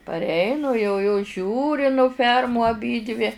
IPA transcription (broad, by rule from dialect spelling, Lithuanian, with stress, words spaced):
pɐrʲˈɛɪnʊ jɛʊ joːs ˈʒʲuːrʲɪ nʊ ˈfʲɛrmuː ɐˈbʲiːdʲʋʲɪ